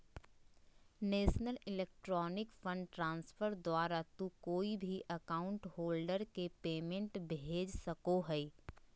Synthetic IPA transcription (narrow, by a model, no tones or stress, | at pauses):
neːʃnəlɪleːk̚ʈɾɔːnɪkfə̃ɳɖʈɾãːnsfʰəɾd̪waːɾat̪ukoːibʱiʔɐkaːʊ̃ɳʈɦoːlɖəɾkepeːmẽɳʈbeːd͡ʒsɐkoɦɛi